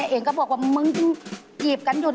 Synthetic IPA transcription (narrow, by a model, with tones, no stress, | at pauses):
a˧˨ʔeː˧ŋkɔ˥˩bɔː˨˩ək̚waː˧˥˩mɯ˧˥ŋkʰɯ˧ŋ | jiː˨˩p̚ka˧njuː˨˩n